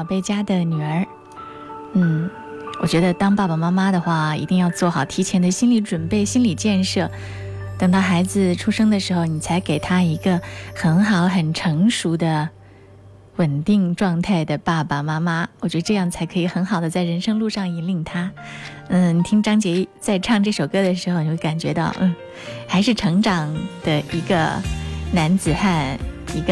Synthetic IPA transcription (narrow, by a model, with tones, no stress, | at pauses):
ʊpe˥˩ɪt͡ɕja˥d̪ə˨ny˨˩ə˞˧˥ | n̩˥˩ | wɔ˨˩t͡ɕɥɛ˧˥d̪ə˧t̪ɑ˥ŋpa˥˩pa˨˩ma˥ma˥d̪ə˨xwa˥˩ḭ˧˥t̪i˥˧ŋjɑ˥˧ʊt͡swɔ˥˩xɑ˨˩ʊt̪ʰi˧˥t͡ɕʰjɛ˧˥nd̪ə˧ɕi˥nli˧˥ʈ͡ʂwə˨˩npe˥˩ɪɕi˥nli˨˩t͡ɕjɛ˥˧nʂɤ˥˩ | t̪ə˨˩ŋt̪ɑ˥˩ʊxa˧˥ɪd͡zɹ̩˧ʈ͡ʂʰu˥ʂɤ˥ŋd̪ə˨ʂɻ̩˧˥xo˧ʊni˨˩t͡sʰa˧˥ɪke˨˩ɪt̪ʰa˥i˧˥ɡə˧xə˧˥nxɑ˨˧˥ʊxə˨˩nʈ͡ʂʰɤ˧˥ŋʂu˧˥d̪ə˧ | wə˨˩nt̪i˥˧ŋʈ͡ʂwɑ˥˧ŋt̪ʰa˥˩ɪd̪ə˩pa˥˩pa˩ma˥ma˥wɔ˨˩t͡ɕɥɛ˧˥d̪ə˧ʈ͡ʂɤ˥˧jɑ˥˩ŋt͡sʰa˧˥ɪkʰɤ˧˥i˨˩xə˧˥nxɑ˨˩ʊd̪ə˦t͡sa˥˩ɪɻə˧˥nʂɤ˥ŋlu˥˧ʂɑ˥˩ŋi˧˥li˥˩ŋt̪ʰa˥n̩˥˩ni˨˩t̪ʰi˥ŋʈ͡ʂɑ˥ŋt͡ɕjɛ˧˥˧t͡sa˥˧ɪʈ͡ʂʰɑ˥˧ŋʈ͡ʂɤ˥˩ʂo˨˩ʊkɤ˥d̪ə˨ʂ̬ɻ̩˧˥xo˧ʊni˨˧˥we˥˩ka˨˩nt͡ɕɥɛ˧˥t̪ɑ˥˩ʊn̩˥˩ | xa˧˥ɪʂ̬ɻ̩˥˩ʈ͡ʂʰɤ˧˥ŋʈ͡ʂɑ˨˩ŋd̪̥ə˧i˧˥ɡə̰˧na˧˥nt͡sɹ̩˨˩xa˥˧ni˧˥ɡə˧